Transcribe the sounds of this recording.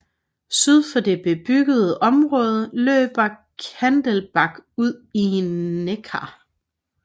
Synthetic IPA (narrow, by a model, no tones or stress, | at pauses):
syð̞ˠfɒ̽de̝b̥e̝b̥yɡ̥əð̞̩ˠəʔɒ̽mʁɔ̽ːð̞ˠəlø̰ːb̥ɐkʰænd̥əlb̥ɑ̈ɡ̥uð̰ˠineɡʰɑ̰̈